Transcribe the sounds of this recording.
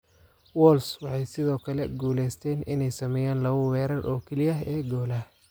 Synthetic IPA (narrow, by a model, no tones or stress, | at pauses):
wɔːlswɑħɑjsɪðɔːkʰɐlɛɡuːlɛːst̪ʰɛːnɪnɛjsɐmɛjaːnlɐwʊwɛːɾɐrʔɔːkʰɛlɪjɐɦɛːɡɔːlɐ